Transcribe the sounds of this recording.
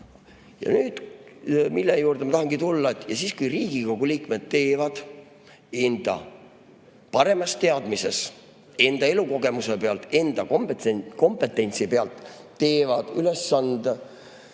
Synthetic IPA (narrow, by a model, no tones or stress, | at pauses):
jɑ̰nyːd̪̥ | milːejuːrd̪emɑt̪ɑhɑŋɡit̪ulːɑet̪ːˑjɑsiːskujriːɡ̥iko̞ɡ̥uliːkme̞d̪̥̚t̪e̞ːvɑd̪̥ | end̪̥ɑ̰ | pɑɾe̞mɑst̪e̞ɑd̪̥mise̞s | e̞nd̪ɑe̞luko̞ɡ̥e̞muse̞pe̞ɑlt̪e̞nd̪̥ɑkomko̞mpːe̞t̪ːˑe̞nʲt̪sipe̞ɑlt̪ːe̞ːvɑd̪̥ylesːɑnd̪̥e